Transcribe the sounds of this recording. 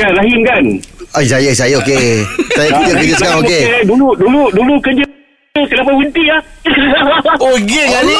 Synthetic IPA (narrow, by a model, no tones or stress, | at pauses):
anlaɦinkanaisajəsajəokesajəpit̪əʔkəd͡ʒəskaokeduluduludulukəd͡ʒə | usəlapawunt̪ia | okeŋan